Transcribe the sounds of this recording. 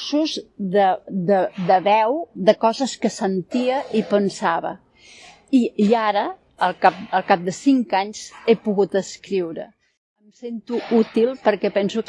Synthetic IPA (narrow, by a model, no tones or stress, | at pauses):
suzðəd̪əd̪əβɛwðəkɔzəskəsənt̪iəipənsaβə̰ | iiaɾə | əlˠkap̚əlˠkap̚d̪əsiŋkaɲz̥epuɣut̪əskɾiwɾə | əmsent̪uut̪ilˠpəɾkɛpɛnsu